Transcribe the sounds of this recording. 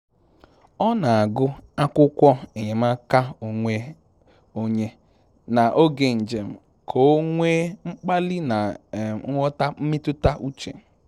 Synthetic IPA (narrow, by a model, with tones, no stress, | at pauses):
ɔ˦na˨a˨ɡʊ˦a˦kʷʊ˦kʷɔ˦e˨ɲe˨m̩˦a˦ka˦o˨ŋʷe˦ | o˦ɲe˦ | na˨ʔo˦ɡe˨n̩˨d͡ʒe˨m̩˨ | kʰo˨˦ŋʷeː˦ŋ͡m̩˦k͡pa˦lɪ˦na˨˦ŋʷɔ˦ta˦m̩˦mɪ˦tʊ˦ta˦ʔu˦t͡ʃḛ˨